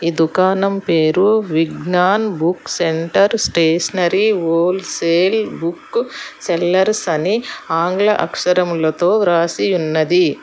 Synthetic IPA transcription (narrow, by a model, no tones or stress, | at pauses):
id̪ukaːnɐmpeːɾuʋiɡnaːnbukseɳʈɐɾsʈeːsɐnɐɾiʋoːlseːlbukːselːɐɾsɐniaːŋɡlɐʔɐkʂɐɾɐmlɐt̪oːɾaːsiunːɐd̪i